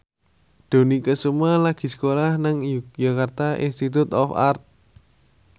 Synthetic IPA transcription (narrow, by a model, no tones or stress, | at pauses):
d̪̥o̤nikəsumalaɡ̥i̤sə̥kolahnaŋjjakart̪aʔḭnst̪it̪ʊt̪ɔfa̰rt̪̚